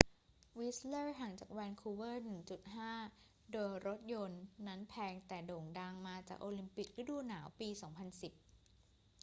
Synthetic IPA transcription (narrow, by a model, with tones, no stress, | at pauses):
wi˦˥slɤː˥˩ɦa˩˦ŋt͡ɕaː˨˩k̚wɛː˧nkʰuː˧wɤː˥˩nɯ˨˩ŋt͡ɕu˨˩t̪̚ɦaː˥˩ | doː˧jɾo˦˥t̪̚jo˧nːa˦˥npʰɛː˧ŋt̪ɛː˨˩doː˨˩ŋdaː˧ŋmaː˧t͡ɕaː˨˩k̚ʔoː˧li˧mpi˨˩k̚ɾɯ˦˥duː˧naː˩˦wpiː˧sɔː˩˦ŋpʰa˧nsi˨˩p̚